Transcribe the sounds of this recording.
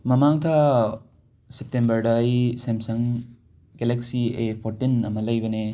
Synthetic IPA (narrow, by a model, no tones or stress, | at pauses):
mɐmaŋt̪ʰa | sep̚tembɐɾɖɐjsemsɐŋ | keleksiepʰoɾʈinɐmɐlɐjbɐne